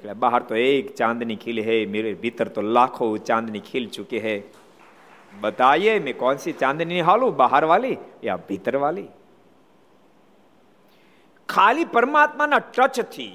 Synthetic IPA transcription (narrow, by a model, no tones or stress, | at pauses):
lebaːɦəɾt̪oeːkt͡ʃãːnd̪nikʰiliɦemeːɾebʱit̪əɾt̪olaːkʰot͡ʃãːnd̪nikʰiːlt͡ʃʊkeɦɛ | bət̪aːjemẽkɔːnsit͡ʃãːnd̪niniɦʰaːlũbaɦəɾʋaːlija̰bʱit̪əɾʋaːli | kʰaːlipəɾmaːt̪manaʈət͡ʃt̪ʰiː